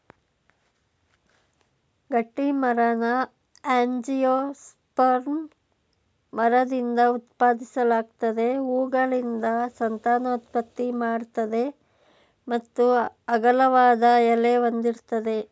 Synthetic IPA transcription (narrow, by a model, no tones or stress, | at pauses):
ɡɐʈːimɐɾɐnɐ | aːɲd͡ʒijoːs | pɐɾn | mɐɾɐd̪ind̪ɐut̪paːd̪isɐlaːɡ̚t̪ɐd̪e̞uːɡɐɭind̪ɐsɐnt̪aːnɐut̪̚pɐt̪ːimaːɽt̪ɐd̪e̞ | mɐt̪ːuɐɡɐlɐʋaːd̪ɐjɐleond̪iɾt̪ɐd̪e̞